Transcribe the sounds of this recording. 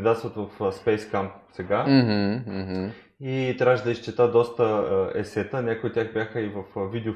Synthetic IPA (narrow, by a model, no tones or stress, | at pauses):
d̪at̪svət̪vəfspɛjskampsɛɡaɦ̩ɦ̩ | it̪ɾaʒd̪ɐiʃt͡ʃɛt̪ad̪ɔst̪əɛ̰sɛt̪ənʲakojʊt̪ːʲjaxbʲjaxəivəfvid̪ɛʊ